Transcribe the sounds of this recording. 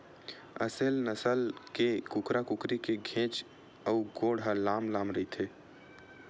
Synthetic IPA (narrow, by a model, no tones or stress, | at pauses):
ə̰selnəsəlkekukɾakukɾikeɡʱẽːt͡ʃ | əuɡoːɽɦəlamlamɾəit̪ʰe